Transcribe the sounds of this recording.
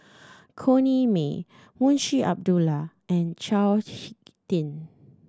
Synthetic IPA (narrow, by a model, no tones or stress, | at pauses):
kʰonimḛ | mũnʃiʔa̰p̚dula | ɛ̃nt͡ʃalhik̚tĩn